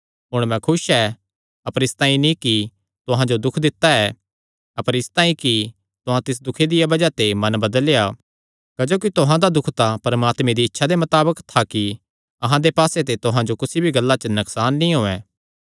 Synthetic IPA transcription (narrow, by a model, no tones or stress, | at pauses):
ɦʊɽ̃mɛ̃kʰʊʃɛ | ɐpəɾɪst̪ãːĩnĩki | t̪ʊɦãd͡ʒod̪ʊkʰd̪ɪt̪ːaɛ | ɐpəɾɪst̪ãːĩki | t̪ʊɦãt̪ɪs̬d̪ʊkʰed̪ɪjabɐd͡ʒat̪emɐnbɐd̪əlja | kɐd͡ʒoːk̬it̪ʊɦãd̪ad̪ʊkʰt̪apɐɾɐmaːt̪mẽd̪iɪtːʃʰad̪emɐt̪aːbəkt̪ʰaki | ɐɦãd̪epaːset̪et̪ʊɦãd͡ʒokʊsibʱiɡɐlːat͡ʃənɐksaːnːĩɦoːɛ̃ː